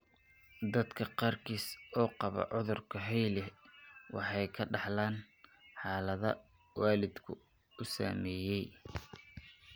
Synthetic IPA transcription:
d̪ɐd̪kʰɐqɑːrkʰiːsɔːqɑβɐ̰ʕʊðʊrkʰɐɦɛjlɛwɑ̰ħɑjkʰɐɖɑħlaːn | ħɑːlɐðɐ | waːlɪd̪kʰʊ̰ | ʊsa̰ːmɛːjɛj

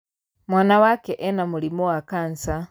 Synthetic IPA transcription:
mwaːnawakɛʔɛnamulimɔwakansa

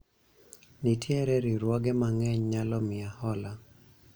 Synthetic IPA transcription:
nitjɛɾɛɾiɾwɔɡɛmaŋɛɲɲalɔmɪahɔla

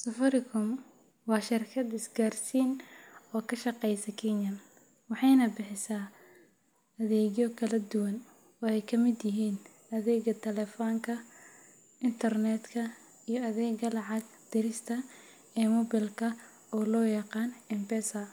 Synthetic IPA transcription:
sɐfɐɾɪkʰʊm | wɑːʃɪrkʰɐd̪ɪsɡaːrsiːnɔːkʰɐʃɑqɛjsɐkʰɛnjɐm | wɑħɑjnɐbɪħɪsaː | ɐðɛːɣjɔkʰɐlɐd̪ʊwɐn | ɔːɛjkʰɐmɪd̪jɪɦiːn | ɐðɛːɡɐt̪ʰɐlɛfɔːŋkʰɐ | ɪnt̪ʰɐrnɛːd̪kʰɐ | ijɔɐðɛːɡɐlɑʕɑɡ | d̪̥ɪɾɪst̪ʰɐ | ɛːmɔbɪlkʰɐ | ɔːlɔːjɑqɑːnɛmpɛsɐ

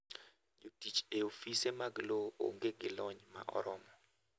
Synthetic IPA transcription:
ɲotit͡ʃeofisemaɡloo̰ŋɡeɡɪlɔɲma̰ʔɔ̰ɾɔmɔ

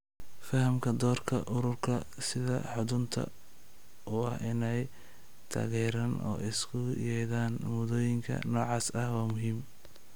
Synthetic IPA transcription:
fɐɦɐmkʰɐd̪ɔːrkʰɐ̰ʔʊɾʊrkʰɐ | sɪðɐ̰ħʊðʊnt̪ʰɐ̰ | ʔʊɐhɪnɛj | t̪ʰa̰ːɣɛːɾɐnʔɔ̰ːʔɪskʰʊjɛjðaːnmʊðɔːjɪŋkʰɐ̰nɔːʕɑːsɐhwɑːmʊɦiːm

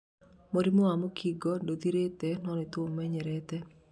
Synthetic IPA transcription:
moɾimoamokʰiɡɔdod̪iɾet̪ɛnɔnɪt̪ʊmmːɛɲɛɾɛt̪ɛ

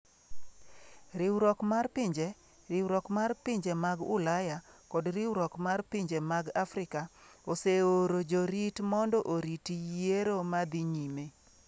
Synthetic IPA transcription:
ɾɪwɾɔkmarpɪɲd͡ʒe | ɾɪwɾɔkmarpɪɲd͡ʒemaɡʊ̰lajakɔdɾɪwɾɔkmarpiɲd͡ʒemaɡafɾɪka | oseoɾod͡ʒoɾitmɔndɔʔoɾitijeɾomad̪iɲime

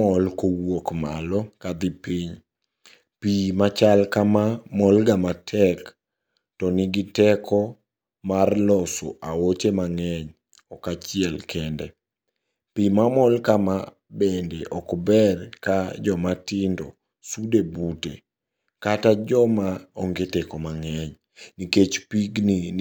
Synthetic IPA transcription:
ɔlkowokma̰lɔkad̪ipiɲ | pimat͡ʃalkamamɔlɡamatʰɛk | tɔnɪɡɪtɛkʰɔ | marlɔso̰ʔawot͡ʃemaŋɛɲ | ɔkat͡ʃɪɛlkʰɛndɛ | pimamɔlkama | bendeʔɔkbɛrkad͡ʒɔmatindɔ̰ | sudebutḛ | katad͡ʒɔmaɔŋɡetɛkɔmaŋɛɲ | niket͡ʃpiɡni

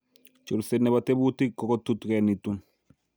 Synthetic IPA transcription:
t͡ʃoɾsenːɛbatebutikːɔkɔt̪utkɛnit̪un

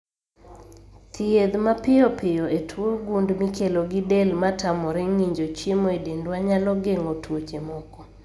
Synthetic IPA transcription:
t̪ʰɪed̪mapɪɔpɪjɔetʰwoɡundmikeloɡidɛlmatʰamɔɾɛŋiɲd͡ʒot͡ʃemoedendwaɲalɔɡeŋotʰwot͡ʃemɔkɔ

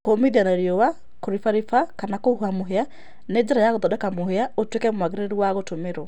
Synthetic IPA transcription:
komiðianaeɾiɔwa | koɾifaɾifakanakohuamoɦea | neːɲd͡ʑeɾajaɣoðɔdɛkamoheaotwekɛmwaɣeɾeɾuwaɣotomeɾɔ

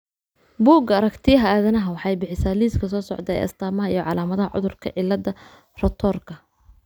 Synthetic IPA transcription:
buːɡɐːɾɐkt̪ʰɪjɐɦɐaːðɐnɐɦɐwɑħɑjbɪħɪsaːliːskʰɐsɔːsɔʕd̪ɛɛ̰jʔɐ̰st̪ʰaːmɐɦɐijɞʕɑlaːmɐðɐɦɐʕʊ̰ðʊrkʰɐ̰ʕɪlːɐd̪ɐ | rɐt̪ʰɔːrkʰɐ

